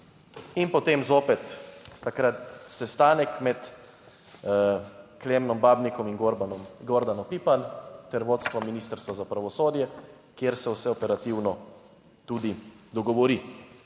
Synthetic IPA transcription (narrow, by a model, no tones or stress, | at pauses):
inpɔt̪eːmzoːpɛt̪ːakɾat̪sɛst̪aːnɛkmɛt̪ | kleːmnɔmbaːbnikɔmiŋɡɔɾd̪anɔpipant̪ɛɾʋoːt̪st̪ʋɔminiːst̪əɾst̪ʋazapɾaʋɔsoːd̪jɛ | kjeɾsɛwsɛɔpɛɾat̪iwnɔ | t̪ud̪i | d̪ɔɡɔʋɔɾi